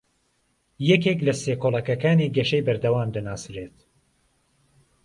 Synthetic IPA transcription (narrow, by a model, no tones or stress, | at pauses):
jɛkeklɐseːkolˠɐkɐkaːniɡɐʃejbɐɾd̪ɐwaːmd̪ɐnaːsɾet̪